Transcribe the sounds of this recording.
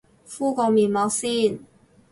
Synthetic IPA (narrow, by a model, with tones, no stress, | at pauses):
fu˥˩kɔ˨˩mi˨˩mɑ˧˥si˥˩˨n